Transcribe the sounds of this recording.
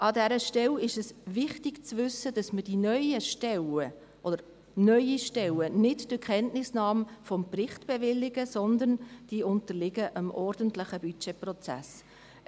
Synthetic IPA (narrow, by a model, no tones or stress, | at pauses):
ʔɑdɛɾəʃtɛlɪʃɛsʋɪχtɪɡt͡sʋʏsːəd̥ɑsməd̥inœʏəʃtɛlə | ʔɔd̥̪əɾ | nœʏiʃtɛlənɪdd̥əkʰχɛntnɪsnɑːmfɔmprɪχtb̥ɛʋɪlːɪɡəsɔnd̪ənd̥iʊnt̪əlɪɡəʔəmʔɔrd̥əntləχəbyt͡ʃɛprɔt͡sæ̰s